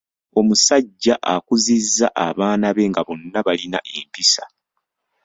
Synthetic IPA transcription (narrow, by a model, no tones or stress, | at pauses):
o̞musaɟːaʔakuzizːaʔaβaːnaβe̞ŋɡaβo̞nːaβalina̰ʔe̞mpisa